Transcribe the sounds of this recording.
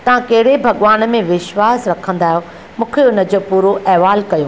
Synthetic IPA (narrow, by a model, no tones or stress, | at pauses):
t̪ɐʋ̤ãkɐɦɪɽebʱɐɠʋaːn̆mẽʋɪʃwaːsɾɐkʰə̃nd̪aːɦjo | mʊ̃ːkʰeʊnə̆d͡ʑoːpuːɾoʔɛɦʋaːlkɐjuː